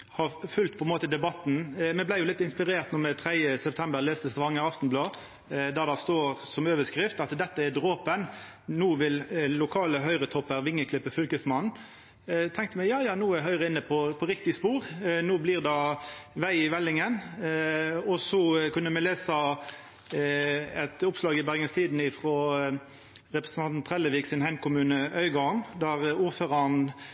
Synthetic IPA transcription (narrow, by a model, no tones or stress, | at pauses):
hɑfʉlt̪̚pʰɔɛnmoːt̪əd̪ɛbɑt̪nmɛblæɪjʊlɪt̪ːɪnspɪʁeːʁt̪nɔmɛt̪ʰɾɛjəsɛpt̪ʰɛmbəɾlɛːst̪əst̪ʋɑŋːəɑft̪n̩blɑː | d̪ɑd̪ɑst̪oːʁsɔmøːʋəskɾɪft̪ɑt̪d̪ɛt̪ːəæd̪ʁoːpən | nuːʋɪllʊkʰɑːləɦœʏʁət̪ʰɔpːəɾʋɪŋːəkʰlɪpːəfʏlkəsmɑn | t̪ʰɛŋkt̪əmɛjɑːjɑːnuːæɦœʏʁəɪnːəpʰɔpʰɔɾɪkt̪ɪspuːʁnuːbliːʁd̪ɑʋæɪɪʋɛlːɪŋən | ɔsɔkʉnːəmɛleːsɑ | ɛt̪ʊpslɑːɡɪbæʁɡənst̪ʰiːd̪n̩ɪfʁoː | ʁɛpɾə̥snɑnt̪nt̪ʰʁɛləʋiːɡsɪnhæɪmkʰʊmʉːnəʔœʏɡɔnd̪æʁuːʁføːʁɑn